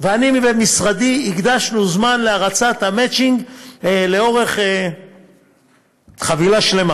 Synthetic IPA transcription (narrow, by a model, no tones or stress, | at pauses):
veanimivemisʁad̪iiɡd̪aʃnuzmanleaʁat͡sat̪hamet͡ʃiŋɡleo̞ʁe̞χe | χavilaʃle̞ma